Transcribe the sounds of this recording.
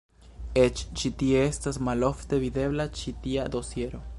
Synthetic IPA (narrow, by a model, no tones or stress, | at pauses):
et͡ʃt͡ʃit̪ieest̪asmaloft̪eβiðeβlat͡ʃit̪iad̪osjeɾo